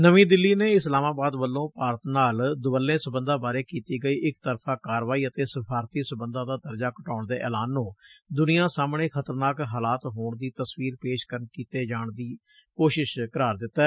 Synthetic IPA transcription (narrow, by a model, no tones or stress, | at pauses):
nəʋĩːd̪ɪlːiːneːɪslaːmaːbaːd̪ʋəlːõːpaːɾət̪naːld̪ʊbəlːẽːsʊbənd̪ãːbaːɾeːkiːt̪iːɡəiːʔɪkt̪əɾpʰãːkaːɾʋaːiːət̪eːsəpʰaːɾt̪iːsʊbənd̪ãːd̪aːd̪əɾd͡ʒaːkəʈaːʊɳd̪eːʔɛ̰ːlaːnːũːd̪ʊnɪjãːsaːmɳeːkʰət̪əɾnaːkɦaːlaːt̪ɦoːɳd̪iːt̪əsʋiːɾpeːʃkəɾənkiːt̪eːd͡ʒaːɳd̪iː | koːʃɪʃkəɾaːɾd̪ɪt̪ːɛː